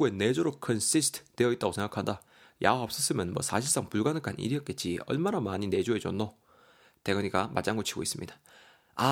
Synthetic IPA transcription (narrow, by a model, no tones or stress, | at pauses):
uene̞d͡ʑoɾokʰʌnsis̬tʰdeʌit̚t͈aɡosʰe̞ŋɡakʰanda | ja̰waʌp̚s͈ʌs͈ɯmjʌnmwʌ̰sʰaɕʰiɭs͈aŋpuɭɡanɯk͈anḭɾiʌt̚k͈e̞t̚t͡ɕ͈iʌ̰ɭmanamaɲine̞d͡ʑoe̞d͡ʑʌnːo | te̞ɡʌɲiɡama̰d͡ʑaŋɡot͡ɕʰiɡo̰is͈ɯmɲid̥ḁ | a